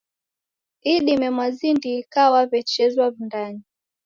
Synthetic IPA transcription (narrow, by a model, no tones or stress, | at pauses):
iɗimɛmwazindikawavɛt͡ʃɛzwavindani